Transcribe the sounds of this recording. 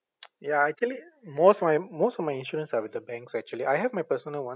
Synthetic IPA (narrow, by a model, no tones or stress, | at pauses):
jaæk̚t͡ʃuəlimoːstɔmajmoːstɔvmaɪɪ̃nʃuːɾə̃nsaʋɪd̪əbɛ̃ŋksæk̚t͡ʃuəliʔajɦɛvmajpəɾsə̃nəlwʌ̃